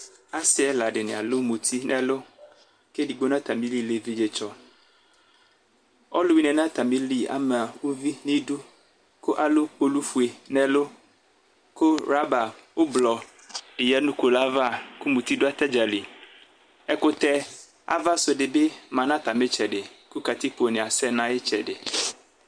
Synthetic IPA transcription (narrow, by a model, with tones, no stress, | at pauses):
a˦sɪ˦ɛ˦la˨ɖɪ˨nɪ̃˨a̰˨lo˦mũ˨t̪ʰi˦nɛ̃˨lo˦ | ke˦di˨ɡ͡bo˦nã˦t̪a˨mĩ˦li˦le˨vi˦d͡ʒe˨t͡ʃɔ˦ | ɔ̰˦lo˦wi˦nɛ̃˨nã˦t̪a˨mĩ˦li˦a̰˨me˨a˨wu˦vi˦nĩ˦du˦ | ko˦ʔa˨lo˦k͡po˨lu˦fu˨e˨nɛ̃˨lo˦ | ko˦ɾa˦ba˨wo˦blɔ˨ | e˨ja˦nũ˦ko˨la˦va˦˨ku˦mũ˨t̪i˦do˦a˦t̪ɛ˦d͡ʒa˨li˨ | ɛ˦ko˦t̪ɛ˦ | a̰˦va˦so˨ɖɪ˨be˦mã˨nã˦t̪a˨me˦t͡ʃɛ˨ɖɪ˨ku˦ka˨t̪i˦k͡po˨nẽ˨a˨sɛ˦nã˦je˦t͡ʃɛ˨ɖɪ˨